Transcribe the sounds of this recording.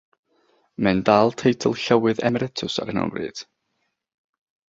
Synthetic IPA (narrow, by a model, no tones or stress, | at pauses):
mɛndaːlˠtʰejtʰəlˠɬəwɨðɛmɛɾɛtʰʊsa̰ɾɛnɔ̰mbrɨ̰ːd̥